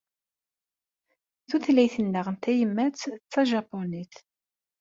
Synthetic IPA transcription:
θuθlæjθənːəʁənt̪æjəmːæt͡sːt͡sːɑʒɑponiθ

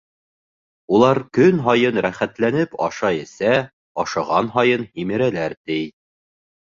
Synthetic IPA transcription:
ulˠɑɾkɵnɦɒjɤnɾæχæt̪lænɘpɑ̰ʃɑɘ̆sæ | ɒʃɑʁɑnɦɑjɤnhimɘ̆ɾælæɾt̪ɘj

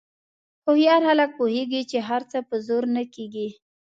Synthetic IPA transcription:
xohjɑɾhalak̚poheɡit͡ʃeɦaɾt͡səpəzoɾnakeɡi

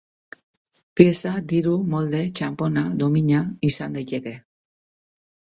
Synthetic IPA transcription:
pjesad̪iɾumold̪et͡ʃamponad̪omiɲaisand̪ajt̪eke

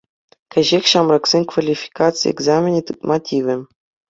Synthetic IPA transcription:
kʲɘ̆ʑexʲɕɑmrɑksʲenʲkvalʲifʲi̥kat̪t͡sɨj̰ḛɡzamʲenʲit̪ɯt̪mɑtʲiʋʲɘ̆

